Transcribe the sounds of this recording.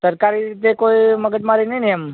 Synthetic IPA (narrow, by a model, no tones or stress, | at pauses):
səɾkaɾiɾit̪ekoːiməɡəd͡ʒ̪maːɾinəinijəm